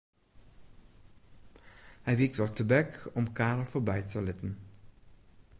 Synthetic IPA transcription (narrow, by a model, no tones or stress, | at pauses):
hɛjʋik̚tʋɑɹtəbɛkɔmkaːɾəvoːɹbɛjtəlɪtən